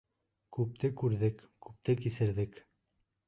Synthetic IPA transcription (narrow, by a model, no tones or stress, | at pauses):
kʉp̚t̪ɘkʉɾðɘk | kʉp̚t̪ɘkisɘ̆ɾðɘk